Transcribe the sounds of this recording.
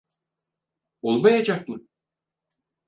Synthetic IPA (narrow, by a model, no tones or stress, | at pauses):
olˠmajad͡ʒak̚mɯm